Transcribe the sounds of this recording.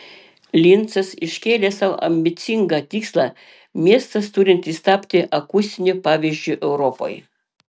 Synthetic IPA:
lʲɪnˑt̪sɐsɪʃʲkʲeːlʲeːsɑʋ̰ʔɐ̰mʲbʲɪt̪sʲɪŋɡɑt̪ʲiːkslˠɑ | mʲiɛst̪ɐst̪ʊɾʲɪnt̪iːst̪ɑːpʲt̪ʲɪʔɐkʊsʲt̪ʲɪnʲʊpɑːʋʲiːʒʲd͡ʒʲʊʔɛʊɾɔpo̰ːj

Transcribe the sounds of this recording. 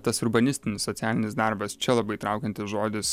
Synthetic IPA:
t̪ɐsʊɾbɐnʲɪsʲt̪ʲɪnʲɪssɔt̪sʲæːlʲɪnʲɪsd̪ɑˑɾbɐst͡ʃʲɛlˠɐbɐɪt̪ɾɑˑʊkʲɛnt̪ʲɪsʒoːd̪ʲɪs

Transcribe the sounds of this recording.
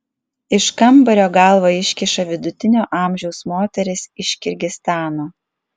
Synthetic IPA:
ɪʃkɐmbɐɾʲoːɡɐlˠʋoːɪʃʲkʲɪʃɐʋʲɪd̪ʊt̪ʲɪnʲoːʔɑːˑmʲʒʲɛʊsmoːt̪ʲɛɾʲɪsɪʃʲkʲɪɾʲɡʲɪst̪ɑːnoː

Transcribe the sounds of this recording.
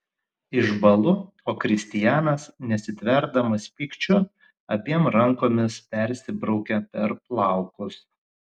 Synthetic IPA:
ɪʒbɐlˠʊ | oːkɾʲɪsʲt̪ʲɪjæːnɐsnʲɛsʲɪt̪ʲʋʲɛɾd̪ɐmɐsʲpʲiːkt͡ʃʲʊ | ɐpʲiɛmɾɐŋkoːmʲɪspʲɛɾʲsʲɪbɾɒʊkʲɛpʲɛɾplˠɑˑʊkʊs

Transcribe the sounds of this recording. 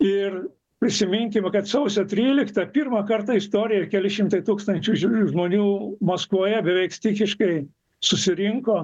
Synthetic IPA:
ɪr | pʲɾʲɪsʲɪmʲɪŋʲkʲɪmkɐt̪sɐʊsʲɛt̪ʲɾʲiːlʲɪkt̪ɐpʲirmɐkɐrt̪ɐɪst̪oːɾʲɪjɛkʲɛlʲɪʃʲɪmt̪ɐɪt̪uːkst̪ɐnʲt͡ʃʲuʒmoːnʲuːmoskʋoːjɛbʲɛʋʲɛɪkst̪ʲikʲɪʃkɐɪ | sʊsʲɪɾʲɪŋkoː

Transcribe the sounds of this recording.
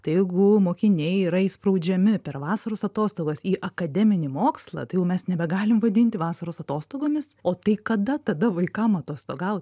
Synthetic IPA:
t̪ɐɪjɛɪɡʊmoːkʲɪnʲɛɪiːɾɐispɾɐʊd͡ʒʲɛmʲɪpʲɛrʋɑːsɐɾoːsɐt̪oːst̪oːɡoːsiːʔɐkɐd̪ʲɛmʲɪnʲɪmoːkslˠɐ̰t̪ɐɪjɛʊmʲɛsnʲɛbʲɛɡɑːlʲɪmʋɐd̪ʲɪnʲt̪ʲɪʋɑːsɐɾoːsɐt̪oːst̪oːɡoːmʲɪsoːt̪ɐɪkɐd̪ɐt̪ɐd̪ɐʋɐɪkɐmɐt̪oːst̪oːɡɐʊt̪ʲ

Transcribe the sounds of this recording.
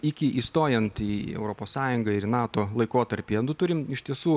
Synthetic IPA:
ɪkʲɪʔiːst̪oːjɛnt̪iɛ̰ʊɾoːpoːssɑːjʊŋɡɐɪɾnɑːt̪oːlˠɐɪkoːt̪ɐɾʲpʲiːd̪ʊt̪ʊɾʲɪmɪʃʲt̪ʲiɛsuː

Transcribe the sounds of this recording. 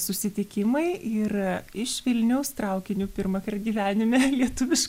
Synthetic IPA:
sʊsʲɪt̪ʲɪkʲɪmɐɪɪrɪʃʋʲɪlʲnʲɛʊst̪ɾɐʊkʲɪnʲuːpʲɪɾmɐkɐrt̪ɡʲiːʋʲæːnʲɪmʲɛlʲiɛt̪ʊʋʲɪʃ

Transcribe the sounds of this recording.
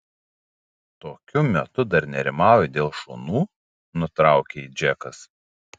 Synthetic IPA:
t̪oːkʲʊmʲɛt̪ʊd̪ɐɾnʲɛɾʲɪmɑːˑʊjɛd̪ʲeːlˠʃoːnuː | nʊt̪ɾɑˑʊkʲeiːd͡ʒʲɛkɐs

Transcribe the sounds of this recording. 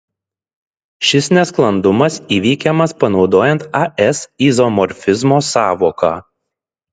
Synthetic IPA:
ʃʲɪsnʲɛsklˠɐnd̪ʊmɐsiːʋʲiːkʲɛmɐspɐnɒʊd̪oːjɛnt̪ɐʔɛsizomɔɾʲfʲɪzmoːsɑːʋoːkɑː

